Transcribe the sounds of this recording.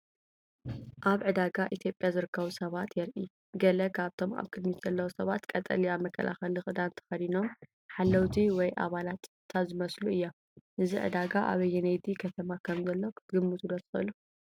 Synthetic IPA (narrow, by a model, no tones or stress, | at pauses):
ʔaβʕɨd̪aɡaʔit̪ʰjo̞pʼjazɨɾɨkːɐβusɐβat̪jɛɾʔi | ɡɐlɐkʰaβt̪ʰo̞ma̰βkʰɨd̪mit̪z̥ɐlːɐwosɐβat̪kʼɐt̪ʼɐ̰liaβmɐkʰːɐ̰lʔa̰xɐlɨxʼɨd̪ant̪ʰɐ̥xɐd̪ino̞m | ħalːɐwt̪ʰiwɔjʔa̰βalat̪ | t̪ʰazɨmɐsluɨjːa | ʔɨziʕɨ̰d̪aɡaʔa̰βɐjːɛnejd̪ikʰɐt̪ʰɐmakʰɐmzɐlːɐwkʰɨɡɨmːɨt̪ʰud̪ɐsɨxɨɨlu